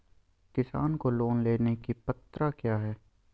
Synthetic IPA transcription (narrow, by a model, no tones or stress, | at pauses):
kɪsa̰ːnkoloːnleːnekipɐt̪ɾakjaːɦɛː